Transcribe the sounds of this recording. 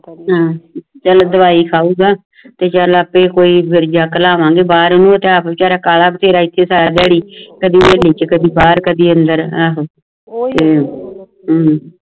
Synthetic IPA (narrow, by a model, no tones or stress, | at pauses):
ɦãːt͡ʃəld̪əʋaːiːkʰaːuːɡaː | t̪eːt͡ʃələpẽːkoːiːbɪɾd͡ʒaːkəlaːʋãːɡeːbaːɾnũːt̪eːapt͡ʃaːɾaːkaːlaːpt̪ʰeːɾaːɪt̪ʰːeːsaːɾd̪ɛːɽiːkəd̪iːbeːliːt͡ʃkəd̪iːbaːɾkəd̪iːənd̪əɾaːɦ | t̪eː | ɦː